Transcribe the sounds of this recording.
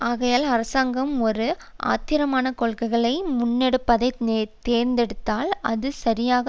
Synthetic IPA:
aːɣɐjaːlɐɾɐsaːŋɡɐmɔɾɯ | ʔa̰ːt̪ɪɾɐmaːnɐkɔɭkɐɪɣɐɭɐɪmʊnːɛɽɯpːɐðɐɪt̪eːɾnd̪ɛɽɯt̪ːaːlɐ̰ðɯsɐɾɪjaːɣɐ

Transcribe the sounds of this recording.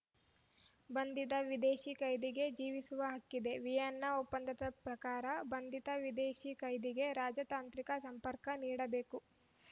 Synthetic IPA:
bɐnd̪id̪ɐʋid̪eːʃikɐjd̪iɡe̞d͡ʒiːʋisuʋɐɦɐkːid̪e̞ʋijɐnːɐopːɐnd̪ɐt̪ɐpɾɐkaːɾɐbɐnd̪id̪ɐʋid̪eːʃikɐjd̪iɡe̞ɾaːd͡ʒɐt̪aːnt̪ɾikɐsɐmpɐɾkɐniːɽɐbe̞ːku

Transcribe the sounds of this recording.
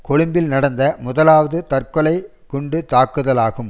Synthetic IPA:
kɔɻɯmbɪlnɐɽɐnd̪ɐmʊðɐlaːʋɐðɯt̪ɐrkɔlɐɪ | kʊɳɖɯt̪aːkːɯðɐlaːɣɯm

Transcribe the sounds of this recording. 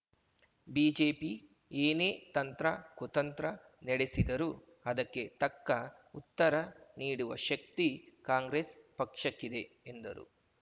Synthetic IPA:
biːd͡ʒeːpi | eːneːt̪ɐnt̪ɾɐkut̪ɐnt̪ɾɐ | nɛɽe̞sid̪ɐɾu | ɐd̪ɐkːe̞t̪ɐkːɐ | ut̪ːɐɾɐniːɽuʋɐʃɐk̚t̪ikaːŋɡɾeːspɐkʂɐkːid̪e̞ːnd̪ɐ̰ɾṵ

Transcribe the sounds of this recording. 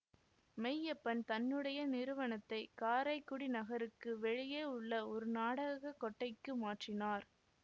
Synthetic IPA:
mɛjːɐpːɐnt̪ɐnːɯɽɐjɐnɪɾɯʋɐnɐt̪ːɐɪkaːɾɐɪkːʊɽinɐɣɐɾɯkːɯʋɛɻɪjeːʊɭːɐɔɾɯnaːɽɐɣɐkːɔʈːɐɪkːɯmaːʈrɪnaːɾ

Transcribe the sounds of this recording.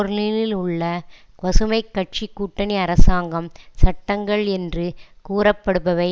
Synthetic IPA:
ɔɾɯlilɪlʊɭːɐ | ʋɐsɯmɐɪkːɐʈ̚t͡ʃikːuːʈːɐniɐɾɐsaːŋɡɐmsɐʈːɐŋɡɐɭɛndrɯkuːɾɐpːɐɽɯpːɐʋɐɪ

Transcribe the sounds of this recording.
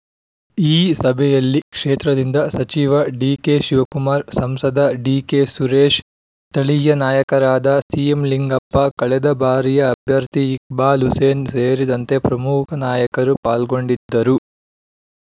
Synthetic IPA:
iːsɐbʱɛjɐlːikʂeːt̪ɾɐd̪ind̪ɐsɐt͡ʃiːʋɐɖiːkeʃiʋɐkumaːɾsɐmsɐd̪ɐɖiːkeːsuɾeːʂ | t̪ɐɭijɐnaːjɐkɐɾaːd̪ɐsijemliŋɡɐpːɐkɐɭɛd̪ɐbʱaːɾijɐːbʱjɐɾt̪iːk̚baːluseːnseːɾid̪ɐnt̪e̞pɾɐmukʰɐnaːjɐkɐɾupaːlɡo̞ɳɖid̪ːɐɾu

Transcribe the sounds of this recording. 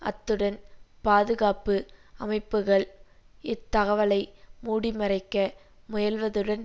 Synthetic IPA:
ɐ̰t̪ːɯɽɐnpaːðɯɣaːpɯɐmɐɪpːɯɣɐɭɪt̪ːɐɣɐʋɐlɐɪmuːɽimɐrɐɪkːɐ | mʊjɐlʋɐðɯɽɐn

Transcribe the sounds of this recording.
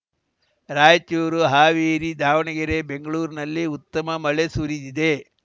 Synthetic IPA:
ɾaːjt͡ʃuːɾuɦaːʋeːɾid̪aːʋɐɳɐɡɐɾebe̞ŋɡɐɭuːɾinɐlːiut̪ːɐmɐmɐɭesuɾid̪id̪e̞

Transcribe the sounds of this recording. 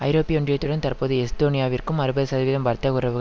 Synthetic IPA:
ʔɐɪɾoːpːɪjɔɳdrɪjɐt̪ːɯɽɐnt̪ɐrpoːðɯɛst̪oːnɪjaːʋɪrkɯmɐɾɯbɐðɯsɐðɐʋɪlɐmʋɐɾt̪ːɐkɯrɐʋɯɣɐ

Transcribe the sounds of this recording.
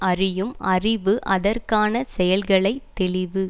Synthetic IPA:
ɐrɪjɯmɐrɪʋɯʔɐðɐrkaːnɐsɛjɐlɣɐɭɐɪt̪ːɛɭɪʋɯ

